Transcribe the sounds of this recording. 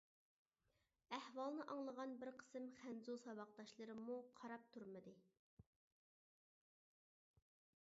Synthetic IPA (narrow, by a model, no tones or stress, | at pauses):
æhwɑlˠnɨʔɑŋlˠəʁɑnbɪɾqʰə̥sɨmχænzusɑbɑq̚d̪ɑʃlˠɨɾɨmːuqʰɑɾɑp̚t̪ʰuɾmɨd̪ɨ